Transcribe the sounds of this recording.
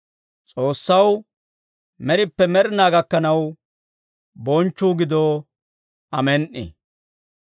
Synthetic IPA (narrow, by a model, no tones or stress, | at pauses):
t͡sʼo̞ːsːɐw | mɛɾɪpːɛmɛɾɪnaːɡɐkːɐnɐw | bɔnt͡ʃːuːɡɪd̪o | ɐmɛnʔɪ̰